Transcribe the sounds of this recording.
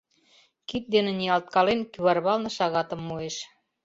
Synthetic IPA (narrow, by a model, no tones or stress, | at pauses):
kit̪̚d̪enĕniɑlt̪̚kɑlenkyβɑrβɑlnɤ̆ʃɑɣɑt̪ə̆mːueʃ